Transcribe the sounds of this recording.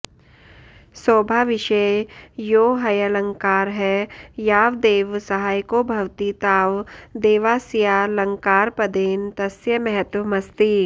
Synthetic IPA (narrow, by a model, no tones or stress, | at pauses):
soːbʱaːʋɪʃejoːɦɐjəlɐ̃ŋkaːɾɦɛjaːʋd̪eːʋsɐɦaːjkobʱɐʋt̪it̪aːʋd̪eːʋaːsijaːlɐ̃ŋkaːɾpɐd̪eːnt̪ɐsjəmɛɦət̪wmɐst̪iː